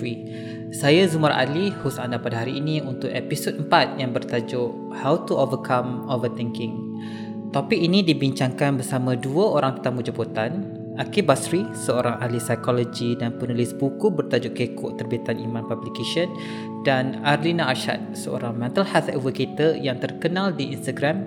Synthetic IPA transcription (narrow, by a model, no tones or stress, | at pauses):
i | sajazumaɾʔa̰lihusandapadaɦaɾiːniunt̪ʊʔepisot̚əmpat̪̚jaŋbərt̪ad͡ʒʊʔ | hawt̪uʔovəkʰamovət̪iŋkɪŋ | t̪opɪk̚inidibiɲt͡ʃaŋkanbərsamãduəoɾaŋt̪ə̥t̪amud͡ʒaput̪an | ʔakibasɾisəoɾaŋʔalisajkolod͡ʒidanpunəlisbukubərt̪ad͡ʒʊʔkekɔ̰ʔt̪ərbiat̪anḭmãnpablikeʃən | danarlinaaʃa̰t̪̚səo̰ɾaŋmɛ̃nt̪əlhasɛ̰vəkit̪əjaŋt̪ərkənãldiʔinst̪aɡɾam